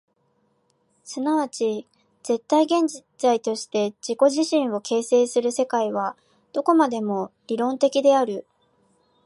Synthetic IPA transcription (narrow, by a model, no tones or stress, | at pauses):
sɨnaβat͡ɕi | z̥e̞t̪ːaiɡẽ̞ɲ̟d͡ʑizait̪o̞ɕi̥t̪e̞d͡ʑiko̞ʑiɕĩɰ̃o̞ke̞ːse̞ːsɨɾɯ̟se̞kaiβa | d̪̥o̞ko̞mad̪e̞mo̞ɾʲiɾõ̞nt̪e̞kʲid̪e̞aɾɯ̟